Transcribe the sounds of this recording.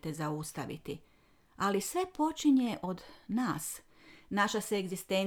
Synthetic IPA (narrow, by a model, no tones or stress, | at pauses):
t̪ezaust̪aʋḭt̪ḭ | alisʋe̞po̞t͡ʃiɲe̞ʔo̞d̪naːs | naʃaseːɡzist̪en